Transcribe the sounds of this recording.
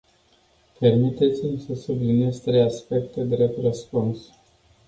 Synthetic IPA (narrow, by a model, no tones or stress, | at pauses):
pe̞rmit̪e̞t̪simsəsublinie̞st̪ɾe̞jaspe̞k̚t̪e̞d̪ɾep̚t̪rəspuns